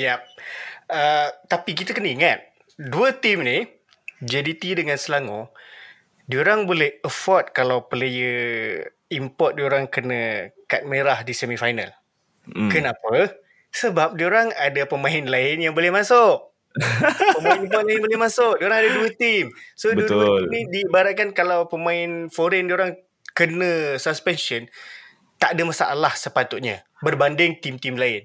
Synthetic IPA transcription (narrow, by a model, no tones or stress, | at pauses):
jap̚ət̪apikit̪əkənəiŋat̪̚ | duət̪imni | d͡ʒedit̪idəŋansəlaŋu | dioɾaŋbolɛhəfɔt̪̚kalawpəlejə | impɔt̪̚dioɾaŋkənəkat̪̚meɾahdisɛmifajna̰l | kənapə | səbap̚dioɾaŋadapəmãɪnlaɪnjaŋbolɛhmãsoʔ | pəmaɪnimpɔt̪laɪnbolɛhmasʊʔdioɾaŋadaduət̪imsodbəuəimnidibaɾaʔ̚kankalawpəmãɪnfoɾɛndioɾaŋ | kənə̃səspɛnsən | t̪aʔadamasa̰ʔalahsəpat̪ut̪ɲa̰ | bərbandɪŋt̪imt̪imlaɪn